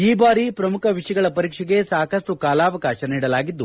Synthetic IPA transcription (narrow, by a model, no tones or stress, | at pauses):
iːbaːɾipɾɐmukʰɐʋiʂɐɡɐɭɐpɐɾiːkʂɛɡe̞saːkɐsʈukaːlaːʋɐkaːʃɐniːɽɐlaːɡid̪ːu